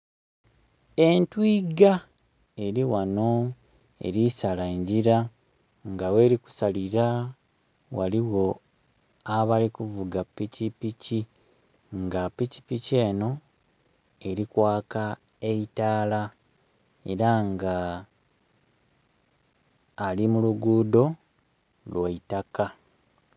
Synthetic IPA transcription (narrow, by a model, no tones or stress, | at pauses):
e̞ntwiɡa | e̞ɾiwano̞ | e̞̰ɾisalaeɲɟiɾa | ŋɡawe̞ːɾiku̥saliɾa | wa̰liwo̞ | aβalikuvuɡapːicipici | ŋɡapːici̥pice̞ːno̞ | e̞ɾikwaːka | e̞itaːla | e̞̰ɾaŋɡa | limuluɡuːdo̞ | lwaitaka